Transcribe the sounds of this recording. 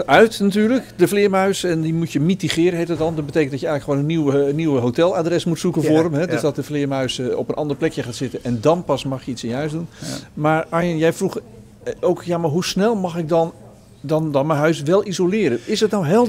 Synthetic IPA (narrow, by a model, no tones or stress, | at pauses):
œɥtnatyːɹləkdəflɪəmœɥsɛndimutjəmitiχɪːɾəɦejtət̚dɔndɔt̚bətejkəntdɔtjəɛjɣləkχəʋoːnənːiwənːiwəɦotɛlˠaːdrɛsmutsukənvʊːɾəmɦɛddøzdɔt̚dəflɪəmœɥsɔ̰pənʔɑndərplɛkjəχaːtsɪtənɛndɔnpɑsmɑχjəitsəjəɦœɥsdunmaːɹajənjɛjfruχ | owkjamaɹɦusnɛlˠmɑχɪk̚dɔn | dɔndɔnmɛnɦœɥsʋɛlˠizolɪːɾəɪsətnawɦɪlˠ